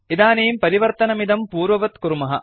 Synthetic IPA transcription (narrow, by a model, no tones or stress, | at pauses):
id̪aːneːmpɐɾiʋɐɾt̪ɐnɐmid̪ɐmpuːɾʋɐʋɐt̪kuɾmɐɦɐ̰